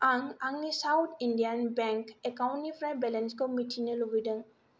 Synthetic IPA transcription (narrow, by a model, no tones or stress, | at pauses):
aŋaŋnisawt̪ʰinɖijanbɛŋkekawnipɾajbɛlɛnskɔmiʈʰinəloɡiɖəŋ